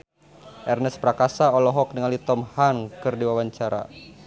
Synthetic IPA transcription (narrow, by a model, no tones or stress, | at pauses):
ʔɛrnəspɾakasaɔlɔɦɔk̚nəŋalit̪ɔmhankɨrdiwawaɲt͡ʃaɾa̰